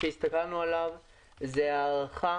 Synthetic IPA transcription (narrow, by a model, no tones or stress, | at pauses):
eist̪akalnualav | zeaːʁaχa